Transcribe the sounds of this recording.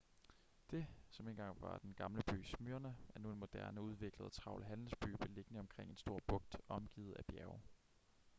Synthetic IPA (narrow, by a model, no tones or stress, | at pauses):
d̥e̝sɒ̽me̝ːnɡ̥ɑ̈ŋ̰ʋɑ̈d̥enɡ̥ɑ̈mləb̥y̰ːsmyɐnææɐnue̝nmo̝d̥æɐnəuð̞ˠʋe̝ɡ̥ləð̞ˠt͡sʰʁɑ̈ʊ̰ləɦænl̩sb̥y̰ːb̥e̝le̝ɡ̥ənəɒ̽mkʰʁeŋ̰e̝nsd̥o̝ɐ̰b̥ɔ̽ɡ̥̚d̥ɒ̽mɡ̥ḭːð̞̩ˠæb̥jæɐʊ